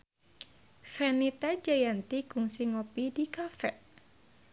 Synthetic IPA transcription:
fɛnit̪ad͡ʒajant̪iɡ̥uŋsiŋopidikafɛʔ

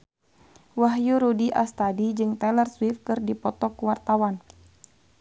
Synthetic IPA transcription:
waɦjuɾudiʔa̰st̪adid͡ʒɨŋt̪ɛlərswifkɨrdipɔt̪ɔkuwart̪awan

